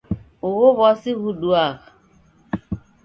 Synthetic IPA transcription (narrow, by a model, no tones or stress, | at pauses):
ʊɣʊβɔsiɣuɗuaɣa